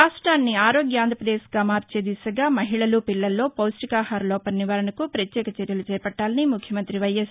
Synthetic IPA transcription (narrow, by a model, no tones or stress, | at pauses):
ɾaːʂʈɾaːnːiaːɾoːɡjɐaːnd̪ʱɾɐpɾɐd̪eːsɐɡaːmaːɾt͡ʃeːd̪isɐɡaːmɐɦiɭɐlupilːɐlːo̞ːpɐwsʈikaːhaːɾlɔːpɐnːiʋaːɾɐɳɐkupɾɐt̪jɛːkɐt͡ʃeɾjɐlut͡ʃɛːpɐʈːaːlɐnimukʰjɐmɐnt̪ɾiʋɐjɐs